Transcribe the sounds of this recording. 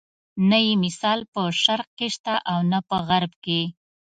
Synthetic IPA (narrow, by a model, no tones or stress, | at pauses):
najemɪsɑlpəʃaɾq̚keʃt̪aʔawnapəɣaɾbke